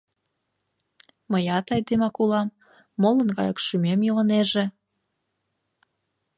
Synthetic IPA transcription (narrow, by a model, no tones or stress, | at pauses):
məjɑt̪ɑjd̪emɑkulɑmː | olə̆nɣɑ̰jəkʃymemjolə̆neʒe